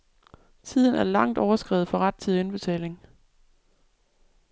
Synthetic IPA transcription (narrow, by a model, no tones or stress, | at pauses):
t͡sʰið̞̰ˠn̩æɐlɑ̈ŋ̰d̥ɒʊɐsɡ̥ʁɛ̰ːð̩ˠfɒ̽ʁɑd̥̚t͡sʰiðˠenb̥e̝t͡sʰɛ̰ːle̝ŋ